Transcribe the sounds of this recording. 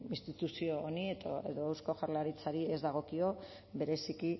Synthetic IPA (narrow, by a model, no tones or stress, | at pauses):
inst̪it̪usio̞ːniet̪oe̞̰ðo̞ewsko̞ʝaɾlaɾit͡saɾie̞zd̪aɣ̞o̞kio̞ | be̞ɾe̞siki